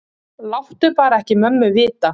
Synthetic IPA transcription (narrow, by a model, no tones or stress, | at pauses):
lawht̪ʏpaːɾaɛhcɪmœmːʏvɪːt̪a